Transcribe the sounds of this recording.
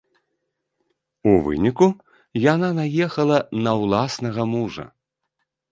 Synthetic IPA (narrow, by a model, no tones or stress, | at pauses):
uvɨ̰nʲiku | jananajɛxɐlˠɐnɐwlˠasnɐɣɐmuʐɐ̰